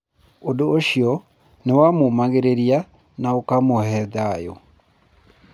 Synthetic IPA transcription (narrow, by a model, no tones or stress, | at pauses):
odoːʃiɔ | newamomaɣeɾeɾia | naokamohɛðajo̰